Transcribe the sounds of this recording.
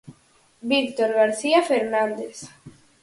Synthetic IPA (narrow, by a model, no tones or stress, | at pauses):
bikt̪oɾɣaɾθiafeɾnãnd̪es